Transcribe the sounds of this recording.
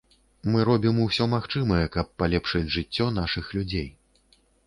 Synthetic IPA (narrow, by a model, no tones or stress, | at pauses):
mɨɾɔbʲimuwsʲɔmaxt͡ʂɨmɐjɛkɐpːalʲɛpʂɨd͡zʲʐɨt͡sʲːɔn̪aʂɨxlʲud͡zʲej